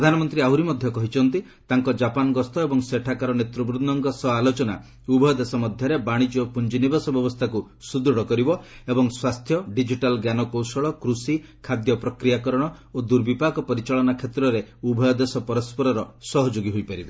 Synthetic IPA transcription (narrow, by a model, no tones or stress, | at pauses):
pɾɔd̪ʱanɔmɔnt̪ɾiauɾimɔd̪ʱjɔkɔɦit͡ʃʰɔnt̪i | t̪aŋkɔd͡ʒapanɔɡɔst̪ʰɔebɔŋseʈʰakaɾɔnet̪ɾɔbɾud̪dɔŋkɔsɔalot͡ʃɔna̰ | ubʱɔjɔd̪esɔmɔd̪ʱjɔɾebaɽ̃id͡ʒopund͡ʒinibasɔbjɔbɔst̪ʰaku | sud̪ɾuɽɔkɔɾibɔebɔŋswast̪ʰjɔɖid͡ʒiʈalɡjanɔkowsɔɭɔkɾusikʰad̪jɔpɾɔkɾijakɔɾɔɽ̃ɔod̪uɾbipakɔpɔɾit͡ʃaɭɔnakʰet̪ɾɔɾeubʱɔjɔd̪esɔpɔɾɔspɔɾɔɾɔsɔɦɔd͡ʒoɡiɦojpaɾibe